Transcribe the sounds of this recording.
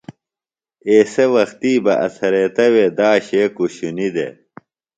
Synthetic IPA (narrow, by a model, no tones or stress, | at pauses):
eːsewɐxt̪iːbɐʔɐ̰sɐɾet̪ɐweːd̪aːɕeːkuɕunid̪ḛ